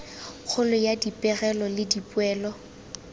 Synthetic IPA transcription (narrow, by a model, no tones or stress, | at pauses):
k͡xʰʊlʊjadipʼɛɣɛlɔlɪdipʼʊɛːlɔ